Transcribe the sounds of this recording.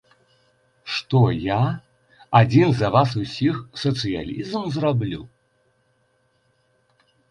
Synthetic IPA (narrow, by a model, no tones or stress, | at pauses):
ʂt̪ɔja | ad͡zʲinzɐvasusʲixsɐt̪sɨja̰lʲizmzrablʲṵ